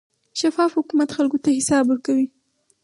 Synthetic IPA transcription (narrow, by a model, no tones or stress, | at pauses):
ʃafɑfhʊkumat̪xalkot̪ahɪsɑbwəɾkawi